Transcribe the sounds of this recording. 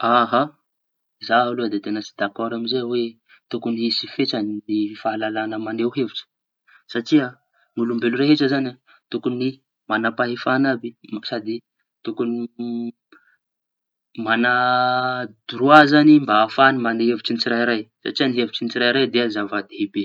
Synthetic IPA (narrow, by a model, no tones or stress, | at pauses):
aɦa | zaalud̪et̪enət͡si̥d̪akoɾamizewe | t̪ukuniisifeʈ͡ʂannifaalalanəmanewɦeviʈ͡ʂə̥ | saʈ͡ʂia | nulumbeluɾeɦeʈ͡ʂəzana | t̪ukuni | manapaɦefanabimḁsad̪i | t̪ukuni | mana | d̪uɾuazanimbaːfanimaneɦeviʈ͡ʂinit͡siɾajɾajsa̰ʈ͡ʂianiɦevit͡ʃinit͡siɾajɾajd̪eazavad̪eɦebe